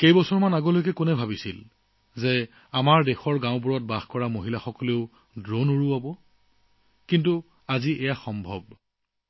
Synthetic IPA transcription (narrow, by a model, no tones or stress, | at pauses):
kejbɔsɔɹmanaɡolojk̬ɛkʊnɛbʱabisil | ze | amaɹdɛxɔɹɡãʊpuɹɔt̚baxkɔɹamoɦilaxɔkɔleʊ | dɹonuɹuabɔ | kintu | aziʔɛjaxɔmbʱɔb̚